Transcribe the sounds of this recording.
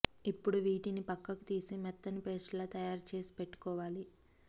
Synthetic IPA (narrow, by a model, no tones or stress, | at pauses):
ipːuɽuʋiːʈinipɐkːɐku̥t̪iːsimɛt̪ːɐnipe̞ːsʈlaːt̪ɐjaːɾt͡ʃe̞ːsi̥peʈːu̥kɔːʋaːli